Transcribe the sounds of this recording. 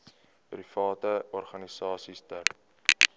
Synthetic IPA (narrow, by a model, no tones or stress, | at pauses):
pɾifɑːtəɔrχɐnisɑːsistər